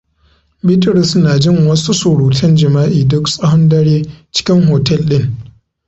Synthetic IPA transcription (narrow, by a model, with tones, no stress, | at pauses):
bɪ˦tʊ˨ɾɪ˨snaː˨d͡ʒɪ˦ŋwɐ˦su˦sʊː˨ɽuː˨tʰɐ˦nd͡ʒɪ˨maː˦ʔiː˨dʊ˦ksʼɐ˦hɐ˦ndɐ˦ɽeː˦t͡ʃɪ̥˦kʲɪ˦ŋɦoː˨tɛ˦lɗɪ˦ŋ